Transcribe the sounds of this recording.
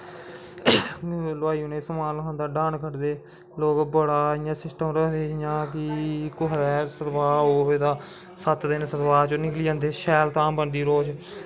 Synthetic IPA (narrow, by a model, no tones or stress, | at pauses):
lʊaːiːʊnẽːsəmaːlkãːnd̪aːɖãːɳkʰəʈd̪eː | loːkbəɽaːɪjãːsɪsʈəmɾəɦd̪eːɪjãːkɪkoɦd̪ɛːsət̪baːoːeːd̪aː | sət̪d̪eːnːsət̪baːt͡ʃonɪkliːãːnd̪eːʃɛːlt̪ãːmbənd̪iːɾoːd͡ʒ